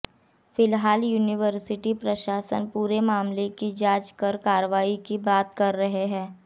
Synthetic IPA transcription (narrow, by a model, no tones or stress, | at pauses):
fɪlɦaːljuːnɪʋəɾsɪʈipɾɐʃaːsə̰npuːɾemaːmlekid͡ʒaːt͡ʃkəɾkaːɾəʋaːikibaːt̪kɐɾːɐɦeɦɛ̃ː